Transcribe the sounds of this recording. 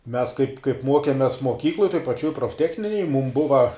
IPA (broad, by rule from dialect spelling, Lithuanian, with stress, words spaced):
mʲɛs kɐɪp kɐɪp ˈmoːkʲɛmʲɛs moːˈkʲiːklˠoːj toːj pɐˈt͡ʃʲoːj proːfʲˈtʲæːxʲnʲɪnʲɛj muːm ˈbʊʋɐ